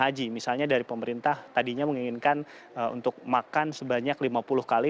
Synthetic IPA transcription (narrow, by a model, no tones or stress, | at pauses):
ad͡ʒimisalɲadaɾipəməɾint̪aht̪adiɲaməŋiŋɪnkan | əṵnt̪ʊk̚makansəbaɲaklimapulʊhkali